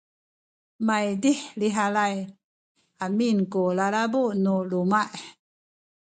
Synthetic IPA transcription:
majdiħliɦalaj | aminkulalabuʔnulumaʔ

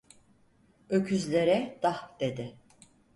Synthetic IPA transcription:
øcʰyzlʲe̞ɾɛd̪̥ahd̪̥e̞d̪ɪ

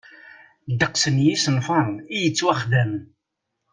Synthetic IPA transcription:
d̪əqsənjisənfənijət͡sːwæχðæmn

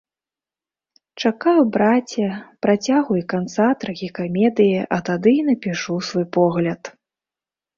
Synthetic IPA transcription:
t͡ʂakajwbɾat͡sʲːɐpɾat͡sʲaɣujikant̪sat̪ɾaɣʲikamʲɛd̪ɨjiʔɐt̪ad̪ɨinɐpʲiʂusvɔjpɔɣlʲɐt̪

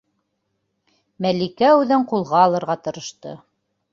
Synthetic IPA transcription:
mælikæʉðɘɴqulˠʁɑːlˠɤ̆ɾʁɑt̪ɤ̆ɾɤ̆ʃt̪ɤ̰

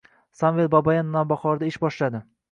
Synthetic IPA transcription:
sanvel̚babajanːabaχɒɾd̪aɪʃbɒʃlad̪ɪ

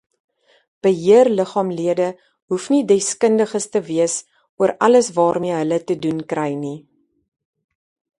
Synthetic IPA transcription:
b̥əɦiərləχɑːmliədə | ɦufnidɛskəndəχəstəviəs | uəɾʔɐləsvɑːrmiəɦələtədunkrɛjni

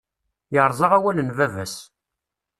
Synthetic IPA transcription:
jəɾˤzˤɑʁæwælənvævæs

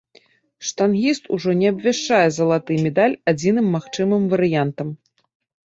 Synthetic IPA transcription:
ʂt̪anɣʲist̪uʐɔnʲɛɐbvʲaʂt͡ʂajɛzɐlˠat̪ɨmʲɛd̪alʲad͡zʲinɨmːaxt͡ʂɨmɨmvɐɾɨjant̪ɐm

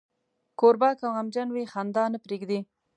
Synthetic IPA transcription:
koɾbɑkawamd͡ʒanwexand̪ɑnəpɾeɡd̪i

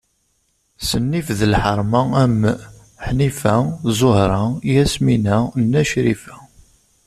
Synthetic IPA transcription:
sənːifðəlħəɾˤmææmːə | ħnifæzˤohɾˤɑjæsminænːæʃɾifæ

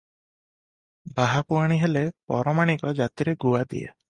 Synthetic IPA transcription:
baɦapuaɽ̃iɦelepɔ̰ɾɔmaɽ̃ikɔd͡ʒat̪iɾeɡuad̪ḭjḛ

